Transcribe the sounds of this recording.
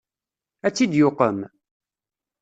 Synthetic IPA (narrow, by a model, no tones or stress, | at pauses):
æt͡sːid̪jʊqə̰m